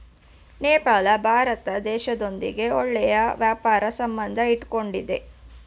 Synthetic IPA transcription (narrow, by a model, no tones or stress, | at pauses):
nɛːpaːlɐbʱaːɾɐt̪ɐd̪ɛːʃɐd̪ond̪ḭɡe̞ɔɭːɛjɐʋjaːpaːɾɐsɐmbɐnd̪ʱɐiʈko̞ɳɖid̪e̞